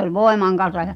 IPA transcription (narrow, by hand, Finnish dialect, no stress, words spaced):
ol ʋoemɑŋ kɑnsɑ j̊̆ɑ̥̆